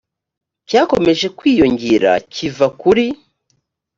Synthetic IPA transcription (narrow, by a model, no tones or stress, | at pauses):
caːko̞me̞ʒe̞kwiːjo̞ɲɟeɾa̰civakuɾi